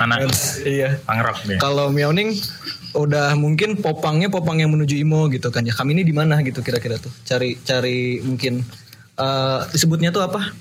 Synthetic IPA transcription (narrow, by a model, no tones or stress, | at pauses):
anasijaaŋɾa̰p̚ikalomiawnɪŋ | udahmuŋkɪnpopaŋɲap̬opaŋjaŋmənud͡ʒuimoɡit̪ukand͡ʒakaminidimanaɡit̪ukiɾakiɾat̪ʊht͡ʃaɾit͡ʃaɾimuŋkɪn | ʔədisəbʊt̪̚ɲat̪uapa